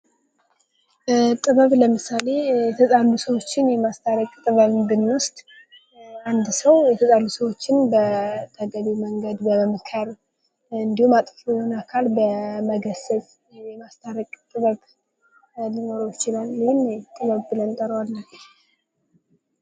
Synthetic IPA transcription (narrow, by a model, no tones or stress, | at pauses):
t̪ʼɨβəβləmɨsale̞ɛt̪ʰəzʼalusəwo̞t͡ʃːɪnjɛmast̪ʰaɾəkʼt̪ʼɨβəβbɨnʊst̪ʼ | and̪səwjɛt̪ʰəzʼalusəwo̞t͡ʃːɪnbət̪ʰəɡəβiməŋɡəd̪bəmɨkʰəɾ | ɨnd̪ihumat̪ʼfuonakʰalbəməɡəsət͡sʼ | jɛmast̪ʰaɾəkʼt̪ʼɨβəβ | lino̞ɾojɪt͡ʃɪlaljiɪnt̪ʼɨβəβbɨlənt̪ʼəɾəwalːə